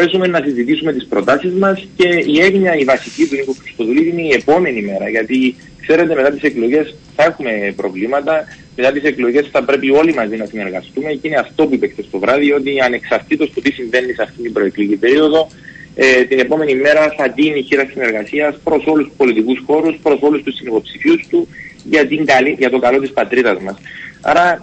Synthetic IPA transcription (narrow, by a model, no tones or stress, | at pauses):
esume̞nːɐsizit̪isume̞t̪ispɾo̞t̪ɐsizmɐsce̞ie̞ɣɲɐivɐsicit̪unikoxɾist̪o̞ðuliðine̞ie̞po̞me̞nime̞ɾɐʝɐt̪i | kse̞ɾe̞t̪e̞me̞t̪ɐt̪iseklo̞ʝe̞s | θɐe̞xume̞pɾo̞vlimɐt̪ɐ | me̞t̪ɐt̪ise̞klo̞ʝe̞sθɐpɾe̞pio̞limɐzinɐsine̞ɾɣɐst̪ume̞cine̞ɐft̪o̞puipekt̪est̪o̞vɾɐðio̞t̪iɐne̞ksɐɾt̪it̪o̞st̪o̞t̪isiɱve̞nːisɐft̪ind̪imbɾo̞eklicibe̞ɾio̞ðo̞ | et̪ine̞po̞me̞nime̞ɾɐθɐt̪iniçiɾɐsine̞ɾɣɐsiɐspɾo̞so̞luspo̞lit̪ikusxo̞ɾuspɾo̞so̞lust̪usinipo̞psifiust̪uʝɐt̪iŋɡɐliʝɐt̪o̞kɐlo̞t̪ispɐt̪ɾiðɐzmɐsɐ̰ɾɐ